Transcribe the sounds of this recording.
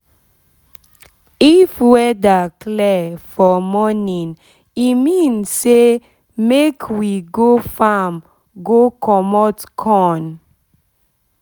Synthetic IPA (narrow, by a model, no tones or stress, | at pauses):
ifwɛdakʰlɛfɔmɔnĩŋ | imĩnsːe | mekʰwiɡofam | ɡokʰɔmɔtkʰɔ̃n